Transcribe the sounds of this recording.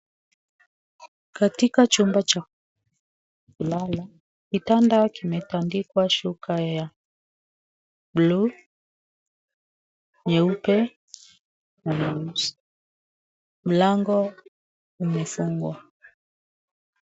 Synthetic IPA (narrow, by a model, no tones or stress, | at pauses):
katikat͡ʃumbat͡ʃa | kulala | kitandakimɛtandikwaʃukʰaja | blu | ɲɛupɛ | naɲɛus | m̩laŋɡɔ | umɛfuŋɡwa